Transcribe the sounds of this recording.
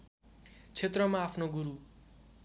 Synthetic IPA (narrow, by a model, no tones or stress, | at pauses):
t͡sʰet̪rʌmaːpʰnoɡuɾu